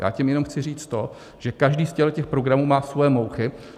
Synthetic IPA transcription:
ja̰ːcɪmjɛno̞mxt͡sɪriːt͡st̪o̞ | ʒ̥ɛkaʒdiːscɛlɛcɛxpɾo̞ɡɾamuːmaːsvojɛmowxɪ

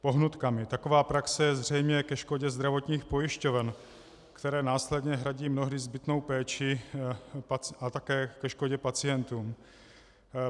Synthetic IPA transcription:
po̞ɦnut̪kamɪt̪ako̞vaːpɾaksɛjɛzr̝ɛjmɲɛkɛʃko̞ɟɛzd̪ɾavo̞t̪ɲiːxpo̞jɪʃco̞vɛn | kt̪ɛɾɛːnaːslɛd̪ɲɛɦɾaɟiːmno̞ɦdɪzbɪt̪no̞wpɛːt͡ʃɪ | paʔat̪akɛːkɛʃko̞ɟɛpat͡sɪjɛnt̪uːm

